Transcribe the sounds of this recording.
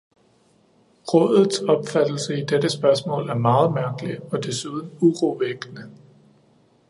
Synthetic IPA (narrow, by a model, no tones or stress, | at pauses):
ʁɔ̽ðˠð̩ˠsɒ̽b̥fæd̥l̩səid̥eɾ̥əsb̥ɶɐsmɔ̰̽ːlæɐmɑ̈ːð̞̩ˠmæɐɡ̥əliɒ̽d̥e̝suð̞ˠn̩uʁoʋeɡ̥ənə